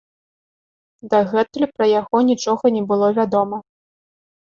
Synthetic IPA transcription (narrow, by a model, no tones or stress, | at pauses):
d̪ɐɣɛt̪ulʲipɾɐjaɣɔnʲit͡ʂɔɣɐnʲɛbɨlˠɔvʲad̪ɔmɐ